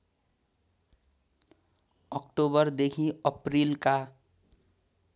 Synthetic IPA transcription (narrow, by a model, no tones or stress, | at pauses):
ɔkʈobəɾd̪ekʰiəpɾilka